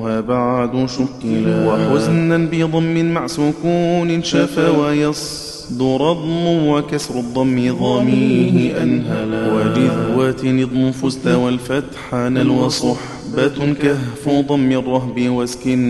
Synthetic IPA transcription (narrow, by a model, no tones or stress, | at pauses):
haːbaʕd̪ʊʃʊkwaħʊznanbɪd̪ˤɑmːɪnmaʕsʊkuːnɪʃafawajɑsˤ | d̪ʊɾˤɑd̪ˤmʊwakasɾˤʊd̪ˤːɑmːɪðˤɑmɪhɪʔanhawad͡ʒɪwat̪nɪd̪ˤmʊfʊzt̪awalfat̪ħanalwɑsˤʊħ | bat̪kahfuːd̪ˤɑnmɪrˤːɑɦbɪwaskɪn